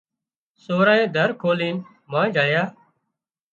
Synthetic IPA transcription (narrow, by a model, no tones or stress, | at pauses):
soːɾaːẽːd̪ʱəɾkʰoːliːn | mãːd͡ʒʱəɽjaː